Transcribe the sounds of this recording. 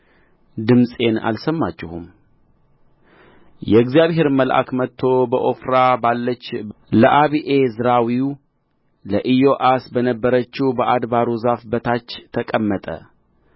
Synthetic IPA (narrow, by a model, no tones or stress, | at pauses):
d̪ɨmsʼe̞na̰lsəmːat͡ʃːɪhum | jɛɡzijaβhe̞ɾməlʔa̰kmət̪ʰːo̞bəʔo̞fɾabalːət͡ʃː | ləʔaβiʔezɨɾawiu | ləʔɨjo̞ʔasbənəbːəɾət͡ʃːibəʔad̪baɾuzafbət̪ʰat͡ʃːt̪ʰəkʼəmːət̪ʼə̰